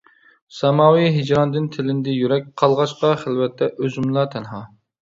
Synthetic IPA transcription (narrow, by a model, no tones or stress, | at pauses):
sɛmɑːwijɦed͡ʒɾɑnd̪ɪnt̪ʰɪlɪnd̪ɛjyɾɛk̚ʲqʰɑlˠʁɑʃqɑχɪlwɛt̪ʰːɛʔøzymlˠɑt̪ʰɛnɦɑː